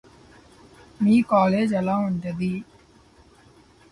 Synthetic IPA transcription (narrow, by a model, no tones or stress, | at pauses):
miːkaːleːd͡ʒɐlaːuɳʈɐd̪i